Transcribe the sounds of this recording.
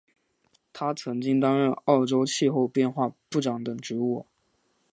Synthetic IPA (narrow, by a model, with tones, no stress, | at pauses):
t̪ʰa˥t͡sʰɤ˧˥ŋt͡ɕi˥ŋt̪̬ɑ˥ŋɻə˥˧nɑ˥˩ʊʈ͡ʂo˥ʊt͡ɕʰi˥˧xo˥˧ʊpjɛ˥˧nxwa˥˧pu˥˩ʈ͡ʂɑ˧˥ŋt̪ɤ˨˩ŋʈ͡ʂɻ̩˧˥wɔ˥˩